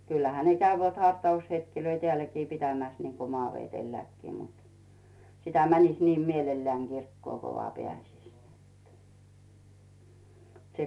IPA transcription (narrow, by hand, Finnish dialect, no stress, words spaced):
kylːæhæ ne kæyʋæt hɑrtɑushetkiløi teælːækiː pitæmæs niŋko mŏɑːʋetelːækːiː mut sitæ mænisʲ niːm mielelːæːŋ ɡ̊irkːŭoˑŋ ɡ̊o ʋoɑˑ peæˑsis se